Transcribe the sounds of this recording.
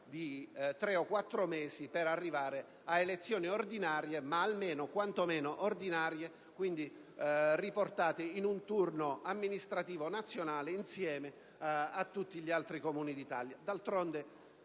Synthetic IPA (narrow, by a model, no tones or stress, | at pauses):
d̪it̪ɾeɔkwat̪ːɾomɛːsipeɾarːivaːɾe | aelet̪sːjɔːniord̪inaːɾjemaːlmeːnokwant̪omɛːnoʔord̪inaːɾje | kwind̪i | riport̪aːt̪einunt̪urnoamːinist̪ɾat̪iːvonat̪sːjonaːleinsjɛːme | at̪ːut̪ːiʎialt̪ɾikomuːnid̪it̪aljad̪alt̪ɾond̪e